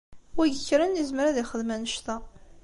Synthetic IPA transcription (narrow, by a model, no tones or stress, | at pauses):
wæʝəçːɾənjəzməɾaðiχəðmænəʃt̪æ